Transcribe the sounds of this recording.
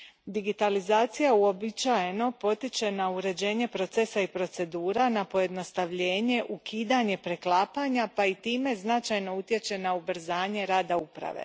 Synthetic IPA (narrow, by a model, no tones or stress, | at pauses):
d̪iɡit̪alizaːt̪sijauo̞bit͡ʃaje̞no̞po̞t̪it͡ʃe̞nauɾe̞d͡ʑe̞ːɲe̞pɾo̞t̪se̞saipɾo̞t̪se̞d̪uːɾanapo̞je̞d̪no̞st̪aʋʎe̞ːɲe̞ʔukʰiːd̪aɲe̞pɾe̞klaːpaɲapait̪iːme̞znat͡ʃajno̞ut̪je̞t͡ʃe̞naubr̩zaːɲe̞ɾaːd̪aupɾa̰ʋḛ